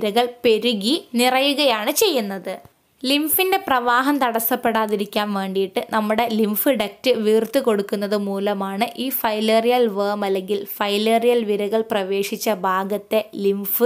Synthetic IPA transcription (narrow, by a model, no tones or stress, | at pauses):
ɾɐɣɐɭpe̞ɾuɣinirɐjuɣɐjaːɳɨt͡ɕe̞jːunːɐðɨ | limfinde̞prɐʋaːɦɐmt̪ɐɽɐsːɐpːeɽaːðiɾikʲːaːnʋe̞ːɳɖijiʈːɨnɐmːuɽe̞limfɨɖɐk̚tɨʋiːrt̪ɨko̞ɽukːun̪ːɐðɨmuːlɐmaːɳɨʔiːfɐjlerijɐlʋeːmɐlːe̞ŋɡilfɐjleːrijɐlʋiɾɐɣɐɭprɐʋe̞ːʂit͡ɕːɐbʱaːɡɐt̪ːe̞limfɨ